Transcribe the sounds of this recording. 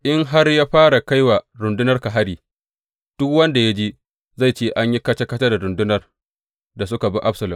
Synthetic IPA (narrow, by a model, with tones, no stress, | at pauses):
ʔɪ˦ŋɦa˦rjaː˦ɸaː˦ɽa˨ka˦jwa˨ɾʊ˨ndʊ˦nɐ˦rka˨ɦa˦ɽiː˨ | d̥ʊ˦kwɐ˦nda˨ja˦d͡ʒi˦ | za˦˨jt͡ʃeː˦ʔa˦ɲji˦kɐ˦t͡ʃɐ˦kɐ˦tɐ˦da˨ɾʊ˨ndʊ˦nɐ˨r | da˨sʊ˦ka˨bi˦ʔa˦bsɐ˨lʊ˨m